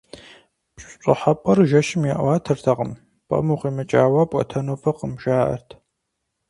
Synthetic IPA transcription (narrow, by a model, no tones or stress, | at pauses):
pɕʷɕʷʼʊ̰ħapʼɐrʒɐʃɪmjaʔwaːtʰɨrtʰɐqəm | pʼɐ̰muqiːmɨt͡ʃʼaːwɐpʷʼɔ̰tʰɐnoːfɐqəmʒaːʔɐ̰rtʰ